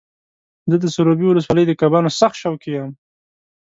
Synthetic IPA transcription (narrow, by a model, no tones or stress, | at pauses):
zəd̪əsʊɾobiwʊləs̬wɑləjd̪əkabɑnosaxt̪ʃawkijam